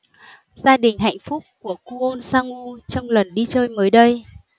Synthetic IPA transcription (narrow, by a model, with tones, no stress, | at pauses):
zaː˧ɗï˨˩ŋ̟ɦa̰˧˨jŋ̟fʊ˦˥k͡p̚ku˧˩əku˧ʔo˧nsaː˧ŋu˧t͡ɕɔ˧wŋ͡mlə˨˩nɗi˧t͡ɕəː˧jməː˨˦jɗə˧j